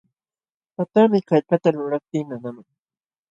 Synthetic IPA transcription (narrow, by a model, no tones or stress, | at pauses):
pat̪amɪkajpat̪aɾʊɾap̚t̪ɪmanamaŋ